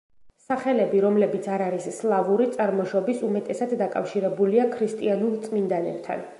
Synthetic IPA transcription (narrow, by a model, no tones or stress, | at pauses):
saχɛlɛbiɾɔmlɛbit̪sʰaɾaɾisːlˠavuɾit̪sʼaɾmɔʃɔbisumɛt̪ʼɛsad̪d̪ːakʼa̰fʃiɾɛbuliakʰɾist̪ʼianulˠt̪sʼmind̪anɛ̰p̚t̪ʰa̰n